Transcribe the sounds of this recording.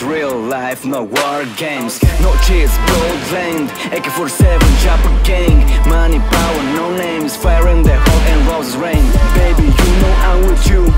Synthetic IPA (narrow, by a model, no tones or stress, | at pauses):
ɹilˠlaɪfnəwɑɹɡẽɪ̃mz̥nɔt͡ʃisboʊlˠdlɛ̃ndeɪkəfɔɹɾisɛvə̃nd͡ʒapəɡẽŋmanibaʊənoʊnẽɪ̃mz̥fɛɹɪ̃nðɨɔɛ̃nvɔzzɹẽɪ̃nbeɪbijunoʊʔãnwɪðju